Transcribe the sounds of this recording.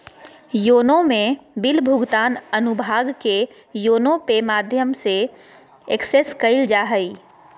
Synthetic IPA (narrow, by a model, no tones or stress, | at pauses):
joːnõmẽbɪlbʱʊɡt̪aːnɐnʊbʱaːɡke | joːnõpemaːd̪ʱjəmse | ekseskəɪld͡ʒaːɦəiː